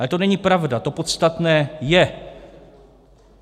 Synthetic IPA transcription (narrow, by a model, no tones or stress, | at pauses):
ɛt̪o̞nɛɲipɾavdat̪o̞pot̪st̪at̪nɛːjɛ